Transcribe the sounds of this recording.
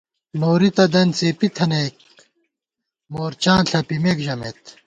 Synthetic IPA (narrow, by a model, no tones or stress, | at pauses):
noːɾit̪ɐd̪ɐnt͡seːpit̪ʰɐneːk̚ | moːɾt͡ɕãːnɬʰɐpimeːkʑɐmeːt̪